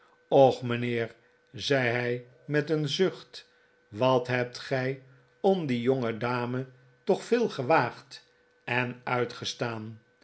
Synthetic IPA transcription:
ɔχmənɪːɹ | zɛjɦɛj | mɛtənzɵχt | ʋɑtɦɛp̚tχɛj | ɔmdijoŋədaːmə | tɔχfɪːlˠχəʋaːχt | ɛnœɥtχəstaːn

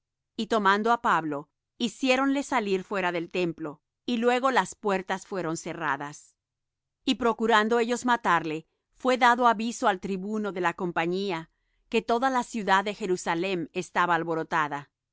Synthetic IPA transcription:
it̪o̞mand̪oapaβlo̞ | isje̞ɾo̞nle̞saliɾfwe̞ɾaðe̞lt̪e̞mplo̞ | ilwe̞ɣo̞laspwe̞ɾt̪asfwe̞ɾo̞nse̞ra̰ðas | ipɾo̞kuɾand̪oe̞ʝo̞zmat̪aɾle̞ | fwe̞ðaðoaβisoalt̪ɾiβuno̞ðe̞lako̞mpaɲia | ke̞t̪o̞ðalasjuðaðːe̞xe̞ɾusale̞mest̪aβaːlβo̞ɾot̪aða

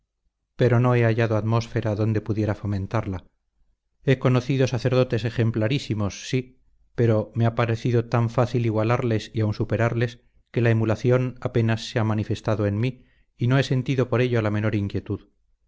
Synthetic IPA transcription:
pe̞ɾo̞no̞e̞aʝaðoat̪mo̞sfe̞ɾaðo̞nd̪e̞puðje̞ɾafo̞mẽ̞nt̪aɾla | e̞ko̞no̞θiðo̞saθe̞ɾð̞o̞t̪e̞se̞xe̞mplaɾisimo̞sːi | pe̞ɾo̞meapaɾe̞θiðo̞t̪aɱfaθiliɣwalaɾle̞siawnsupe̞ɾaɾle̞s | ke̞laemulaθjo̞nape̞nasːeamanife̞st̪aðoe̞nmiː | no̞e̞se̞nt̪iðo̞po̞ɾe̞ʎolame̞no̞ɾiŋkje̞t̪uð

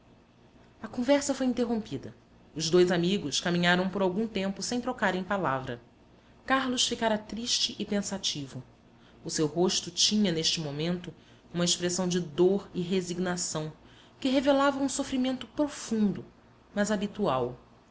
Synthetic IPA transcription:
ɐkõvɛɾsɐfojint̪eɦõpid̪ɐ | ʊzd̪ojzamiɡʊskamĩɲaɾɐ̃w̃poɾawɡũt̪ẽmpʊsẽj̃t̪ɾokaɾẽj̃palavɾɐ̰ | kaɾlʊsfikaɾɐt̪ɾiʃt͡ʃɪʔɪpẽsat͡ʃivʊː | sewɦoʃt̪ʊt͡ʃĩɲɐneʃt͡ʃɪmomẽnt̪ʊ | ũmɐeʃpɾesɐ̃w̃d͡ʒɪd̪oɾɪɦeziɡnasɐ̃w̃ | kɪɦevelavɐũsofɾimẽnt̪ʊpɾofũnd̪ʊ | mɐzabit̪uaw

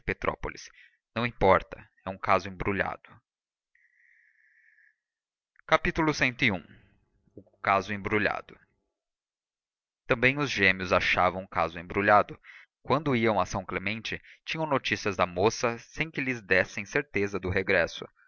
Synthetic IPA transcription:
pet̪ɾʔɔ̰po̰lis | nɐ̃w̃ĩmpɔɾt̪ɐ | ɛũkazʊẽbɾuʎa̰d̪ʊ | kapit̪ulʊsẽnt̪ʊɪũ | ʊ | kazʊẽbɾuʎa̰d̪ʊ | t̪ɐ̃mbẽj̃ʊzʒẽmiʊzaʃavɐ̃w̃ʊ̃kazʊẽbɾuʎad̪ʊ | kwɐ̃nd̪ʊiɐ̃w̃ɐsɐ̃w̃klemẽnt͡ʃɪt͡ʃĩɲɐ̃w̃not͡ʃisiɐzd̪ɐmosɐsẽj̃kɪlɪzd̪ɛsẽj̃seɾt̪ezɐd̪ʊɦeɡɾɛsʊ̰

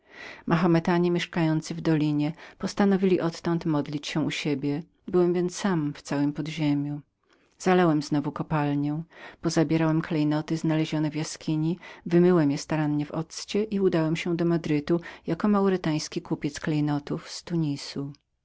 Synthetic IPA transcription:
mʔaxɔmɛt̪aɲɛmʲɛʂkajɔnt̪sɨvd̪ɔlʲiɲɛpɔst̪anɔvʲilʲiʔɔt̪ːɔ̃nt̪mɔd̪lʲit͡ɕɕɛuɕebʲjɛ | bɘwɛmvʲjɛnt̪ssamft̪sawɘmpɔd̪ʑemʲju | z̥alɛwɛmznɔvukɔpalɲɛ̃pɔzabʲjɛɾawɛmklɛjnɔt̪ɘznalɛʑɔnɛvjaskʲiɲivɘmɘwɛmjɛst̪aɾanːɛvɔ̰t̪st͡ɕɛʔiud̪awɛmɕɛd̪ɔmad̪ɾɘt̪ujakɔmawɾɪt̪aj̃skʲikupʲjɛt̪sklɛjnɔt̪ufst̪uɲisu

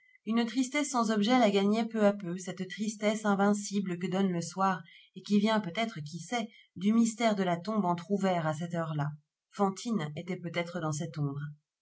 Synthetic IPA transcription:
ynt̪χist̪ɛsːɑ̃zɔbʒɛlaɡaɲɛpøapøsɛt̪t̪χist̪ɛsɛ̃vɛ̃siblək̬əd̪ɔnləswaʁ | ekʲivjɛ̃pøt̪ɛt̪χək̬ʲisɛ | d̪ymist̪ɛʁd̪əlat̪ɔ̃bɑ̃t̪χuvɛʁasɛt̪œʁla | fɑ̃t̪ʰinet̪ɛpøt̪ɛt̪χəd̪ɑ̃sɛt̪ɔ̃bʁ

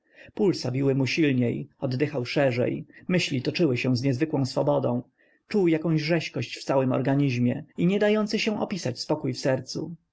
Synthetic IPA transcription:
pulsabʲiwɘmuɕilɲejɔd̪ːɘxawʂɛʐɛ̰jmɘɕlʲit̪ɔt͡ʂɘwɘɕɛ̃zɲɛzvɘkwɔ̃w̃sfɔbɔd̪ɔ̰̃w̃ | t͡ʂuwjakɔ̃w̃ʑʐɛɕkɔɕt͡ɕft̪sawɘmɔ̰ɾɡaɲiʑmʲjɛiɲɛd̪ajɔnt̪sɘɕɛ̃ʔɔ̰pʲisat͡ɕspɔkujfsɛɾt̪sṵ

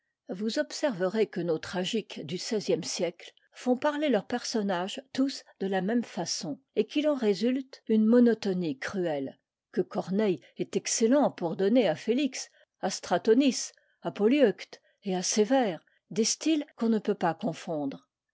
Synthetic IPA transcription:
vuzɔpsɛʁvəʁekənot̪χaʒikd̪ysɛzjɛmsjɛkl | fɔ̃paʁlelœʁpɛʁsɔnaʒt̪usd̪əlamɛmfasɔ̃ | ekilɑ̃ʁezylt̪ynmɔnɔt̪ɔnikχyɛl | kəkɔʁnɛj | ɛt̪ɛkselɑ̃puʁd̪ɔneafeliks | ast̪χat̪ɔnis | apɔljɔkt̪ | easevɛːʁ | d̪est̪ilkɔ̃nəpøpakɔ̃fɔ̃d̪ʁ

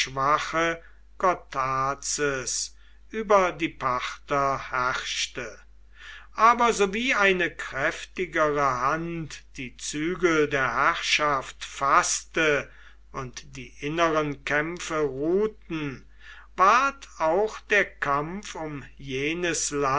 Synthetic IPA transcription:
ʃv̥aχə | kɔtʰaːt͡səs | ʔyːbɐdiːpʰaχtɐhæʁʃtə | ʔaːbɐzoviːaɪnəkʁ̥ɛftɪɡəʁəhantd̥iːt͡syːɡl̩deːɐhæʁʃaftfastə | ʔʊntd̥iːʔɪnəʁənkɛmfəʁuːtn̩ | vaɐtʰaʊxd̥eːɐkʰamfʊmjeːnəsla

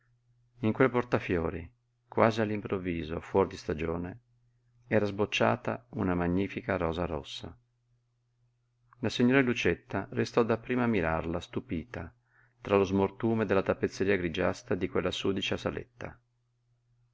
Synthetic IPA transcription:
iŋkwelːport̪afjoːɾi | kwaːzialːimpɾovːiːzofwɔrd̪ist̪ad͡ʒoːne | ɛːɾazbot͡ʃːa̰ːt̪a̰unamaɲːiːfikaɾɔːzaɾɔ̰sːa̰ | lasiɲːoːɾelut͡ʃet̪ːarest̪ɔd̪apːɾiːmamiɾa̰rlast̪upiːt̪a | t̪ɾalozmort̪uːmed̪elːat̪apːet̪sːeɾiːaɡɾid͡ʒast̪ad̪ikwelːasuːd̪it͡ʃasalḛt̪ːa̰

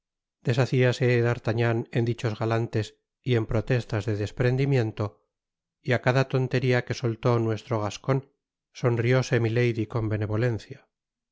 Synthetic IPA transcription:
d̪̥e̞saθiase̞ðaɾt̪aɲane̞nd̪it͡ʃo̞zɣalant̪e̞s | ie̞mpɾo̞t̪e̞st̪azðe̞ðe̞spɾe̞nd̪imjẽ̞nt̪o̞ | iakaðat̪o̞nt̪e̞ɾiake̞so̞lt̪o̞nwe̞st̪ɾo̞ɣ̞asko̞n | so̞nrio̞se̞mile̞jðiko̞mbe̞ne̞βo̞le̞n̟θja

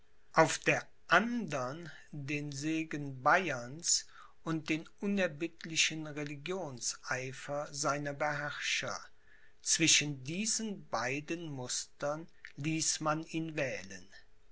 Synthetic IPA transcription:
ʔaʊfd̥eːɐ | ʔandɐndeːnzeːɡənbaɪɐns | ʔʊnt̚d̥eːnʔʊnɛɐbɪtʰlɪʃənʁeliɡjoːnsʔaɪfɐzaɪnɐbəhɛʁʃɐ̰ | t͡sv̥ɪʃəndiːzənbaɪdənmʊstɐn | liːsmaniːnvɛːlən

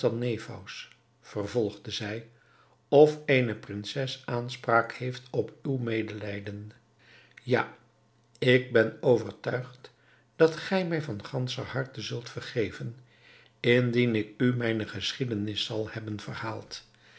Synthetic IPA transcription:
tɑnejvɔ̰ws | fərvɔlˠχdəzɛj | ɔfeːjnəprɪnsɛsaːnspraːkhejftɔpywmeːjdəlɛjdən | ja̰ː | ɪɡ̚bɛnowvəɹtœɥχt | d̥ɑtχɛjmɛjvɑnχɑnsə̰hɑɹtəzɵlˠtfərχejvən | ɪndinɪkymɛjnəχəsχidənɪsɑlˠhɛbənvərhaːlˠt

